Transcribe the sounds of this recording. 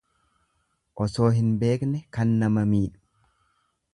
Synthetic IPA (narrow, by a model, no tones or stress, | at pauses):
ʔɔso̞ːɦɪnbe̞ːknɛkɐnːɐmɐmiːᶑʊ̥